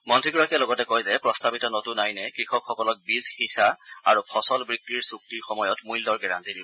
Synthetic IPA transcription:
mɔntʰɹikɹakijalɔɡɔtɛkɔjzɛpɹɔstabitɔnotunajnɛkɹixɔkxɔkɔlɔk̚bizxisaa̰ɹupʰɔsɔlbɹikɹiɹsuk̚tiɹxɔmɔjɔtmujldɔɹɡɛɹa̰ntidib

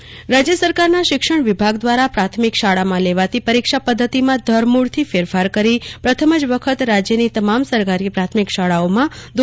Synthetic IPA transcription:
ɾad͡ʒjəsəɾkaɾnaʃɪkʃəɳ̃ʋɪbʱaɡd̪ʋaɾapɾat̪ʰmikʃaɭamãleʋat̪ipəɾikʃapəd̪ʱːət̪imãd̪ʱəɾmuɽt̪ʰifeɾfaɾkəɾipɾət̪ʰəməd͡ʒʋəkʰət̪ɾad͡ʒjənit̪əmamsəɾkaɾipɾat̪ʰmikʃaɭaomãd̪

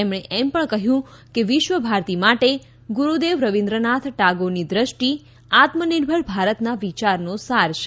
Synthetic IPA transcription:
emɳ̃eʔɛmpəɳkəɦjũkeʋɪʃʋəbʱaɾt̪imaʈe | ɡuɾud̪eʋɾəʋĩnd̪ɾənat̪ʰʈaɡonid̪ɾəʃʈi | at̪məniɾbʱəɭbʱaɾət̪naʋit͡ʃaɾnosaɾʃe

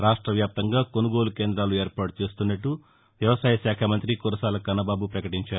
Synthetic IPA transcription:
ɾaːʂʈɾɐʋjaːp̚t̪ɐŋɡaːko̞nuɡo̞ːluke̞ːnd̪ɾaːlue̞ːɾpaːʈut͡ʃe̞ːst̪unːɐʈːu | ʋjɐʋɐsaːjɐʃaːkʰɐmɐnt̪ɾikuɾɐsaːlɐkɐnɐbaːbupɾɐkɐʈiɲt͡ʃaːɾu

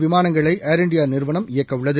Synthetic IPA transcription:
ʋɪmaːnɐŋɡɐɭɐɪʔaːɾɪɳɖɪjaːnɪɾʋɐɳɐmɪjɐkːɐʊɭːɐðɯ

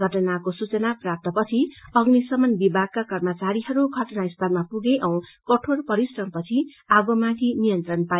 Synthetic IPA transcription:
ɡʱʌʈʌnakosut͡sʌnaprap̚t̪ʌpʌt͡sʰiʌɡnisʌmʌnbibʱaɡ̚kakʌrmʌt͡saɾiɦʌɾuɡʱʌʈʌnaist̪ʰʌlmapuɡeʔʌw̃kʌʈʰorpʌɾisrʌmpʌt͡sʰi | aɡomãkʰinijʌnt̪rʌnpa

